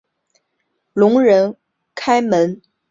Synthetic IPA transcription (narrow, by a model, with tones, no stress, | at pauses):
lʊ˧˥ŋɻə˧˥n | kʰa˥ɪmə˧˥n